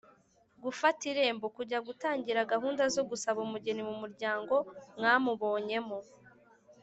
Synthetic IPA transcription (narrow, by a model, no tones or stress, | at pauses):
ɡufatiɾe̞ːmbokuɟaɡutaːɲɟiɾaɡaɦuːndazo̞ɡusaβumuɟenimumuɾɟaːŋɡo̞mŋaːmuβo̞ːɲe̞mo